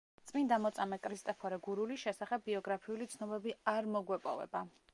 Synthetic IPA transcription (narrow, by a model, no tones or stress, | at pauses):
t̪sʼmind̪amɔt̪sʼamɛkʼɾist̪ʼɛpʰɔɾɛɡuɾuliʃɛsaχɛbːiɔɡɾapʰiulit̪sʰnɔbɛbiaɾmɔɡwɛpʼɔ̰vɛ̰ba